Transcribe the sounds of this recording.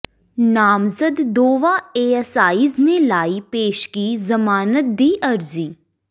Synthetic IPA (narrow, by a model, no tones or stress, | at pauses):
naːmzəd̪d̪oːʋaeːɛsaːiːznelaːipeːʃkizɐmaːnət̪̚d̪iːʔɐɾziː